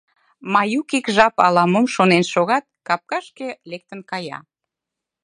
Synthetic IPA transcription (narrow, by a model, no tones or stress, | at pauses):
mɑjukikʒɑpɑ̰lɑmomʃonenʃoɣɑt̪̚kɑp̚kɑʃkelek̚t̪ənkɑjɑ̰